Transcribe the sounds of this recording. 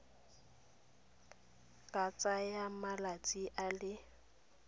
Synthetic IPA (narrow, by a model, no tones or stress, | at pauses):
kʼat͡sʼajamalat͡sʼiʔalɪ